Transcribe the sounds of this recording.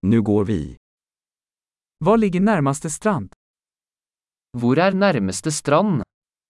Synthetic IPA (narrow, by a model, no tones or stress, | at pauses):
nʉːɡoːɾʋḭ | vɑːɭɪɡənæɾmast̪əst̪ɾɑnd̪̥ | vʊɾæːɾnæɾməst̪əst̪ɾɑn